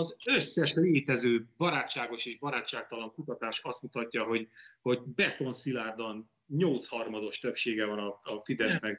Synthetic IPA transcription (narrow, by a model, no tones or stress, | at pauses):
ɒzøsːɛʃleːt̪ɛzøːbɒɾaːt͡ʃːaːɡo̞ʃeːʒbɒɾaːtt͡ʃːaːk̚t̪ɒloŋkut̪ɒt̪aːʃɒst̪mut̪ɒcːɒɦo̞ɟho̞ɟbɛt̪o̞nsilaːrd̪ɒn | ɲo̞lt̪shɒrmɒd̪o̞ʃt̪øpʃeːɡɛvɒnɒɒfid̪ɛsmɛ